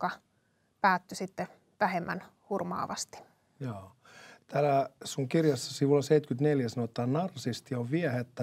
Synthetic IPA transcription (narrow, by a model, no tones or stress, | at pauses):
okɑ | pæːt̪ːysit̪ːe | ʋæhemːæ̰nhurmɑ̰ːʋɑst̪i̥ | jɑː | t̪æːlæsuŋkirjɑsːɑsiʋulːɑseit̪kyt̪neljæsɑnot̪ːˑɑːnnɑrsist̪ioʋʋiɛhet̪ːæ